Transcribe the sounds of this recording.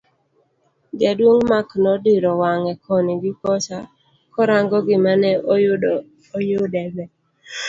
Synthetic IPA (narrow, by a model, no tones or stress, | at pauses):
ɡɛdwoŋmaknɔdiɾɔwaŋɛkʰɔnɪɡɪkɔt͡ʃa | kɔɾaŋɡɔɡɪmanɛ | jʊdɛbɛ